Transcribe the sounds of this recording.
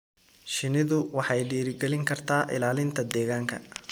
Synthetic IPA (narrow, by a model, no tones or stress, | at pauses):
ʃɪnɪðʊwɑħɑjɖiːɾɪɡɛlɪŋkʰɐrt̪ʰaːʔɪ̰laːlɪnt̪ʰɐd̪ɛːɣaːŋkʰɐ̰